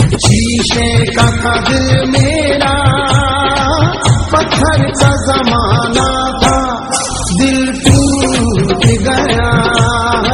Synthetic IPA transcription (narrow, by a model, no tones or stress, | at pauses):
t͡ʃiːʃekakɐd̪ɾmeːɾa | pɐt̪ʰːəɾkazɐmaːna | k̪a | d̪ɪlpuːɾt̪eɡɐja